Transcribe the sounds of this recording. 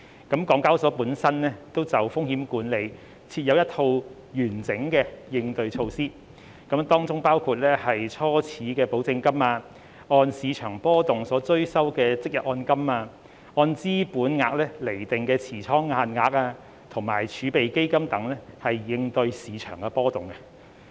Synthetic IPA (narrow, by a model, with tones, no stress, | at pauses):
kɐ˨˥mkɔː˨˥ŋkaː˥wsɔː˨˥puː˨˥nsɐ˥nlɛː˥t̪o˥wt͡sɐ˨wfʊ˥ŋhiː˨˥mkuː˨˥nle˨˧j | t͡sʰiː˧t̚jɐ˧wjɐ˥t̪ʰo˧w | jyː˨˩nt͡sɪ˨˥ŋkɛː˧jɪ˧ŋt̪ɵ˧ɥt͡ʃʰo˧wsiː˥ | kɐ˨˥mt̪ɔː˥ŋt͡sʊ˥ŋpaː˥wkʰuː˧t̚lɛ˥hɐ˨jt͡sʰɔː˥t͡sʰiː˨˥kɛː˧po˨˥wt͡sɪ˧ŋkɐ˥maː˧ | ɔː˧nsiː˨˧t͡ʃʰœː˨˩ŋpɔː˥t̪ʊ˨ŋsɔː˨˥t͡sɵ˥ɥsɐ˥wkɛː˧t͡sɪ˥k̚jɐ˨t̚ʔɔː˧nkɐ˥maː˧ | ɔː˧nt͡siː˥puː˨˥nŋaː˧k̚lɛː˥le˨˩jt̪ɪ˨ŋkɛː˧t͡sʰiː˨˩t͡sʰɔː˥ŋːaː˧nŋaː˧k̚aː˧ | t̪ʰʊ˨˩ŋma̰ː˨˩jt͡ʃʰyː˨˧˥pe˨jke˥jkɐ˥mt̪ɐ˨˥ŋlɛ˥hɐ˨jːɪ˧ŋt̪ɵ˧ɥsiː˨˧t͡ʃʰœ̰ː˨˩ŋkɛ˧pɔː˥t̪ʊ˨˩ŋkɛ˧